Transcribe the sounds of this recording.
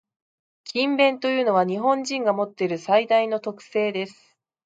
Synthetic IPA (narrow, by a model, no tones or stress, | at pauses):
kʲĩmbẽ̞nt̪o̞jɯ̟ːno̞β̞aɲ̟iɦõ̞ɲ̟d͡ʑĩŋɡamo̞t̪ːe̞ɾɯ̟said̪aino̞t̪o̞kɯ̟̥se̞ːd̪e̞sɨ̥